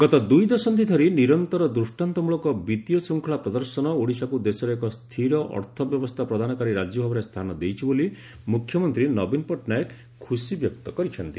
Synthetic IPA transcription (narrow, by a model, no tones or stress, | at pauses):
ɡ̥ɔt̪ɔd̪ujd̪ɔsɔnt̪̬id̪ʱɔɾiniɾɔnt̪ɔɾɔd̪ɾusʈant̪ɔmuɭɔkɔbit̪jɔsuŋkʰɔɭapɾɔd̪ɔɾsɔnɔoɽisakud̪esɔɾekɔst̪ʰiɾɔʔɔ̰ɾt̪ʰɔbjɔbɔst̪ʰapɾɔd̪ʱanɔkaɾiɾad͡ʒjɔbʱabɔɾest̪ʰanɔd̪ejt͡ʃʰiboli | mukʰjɔmɔnt̪ɾinɔbinpɔʈnajek | kʰːusibjɔkt̪ɔkɔɾit͡ʃʰɔnt̪i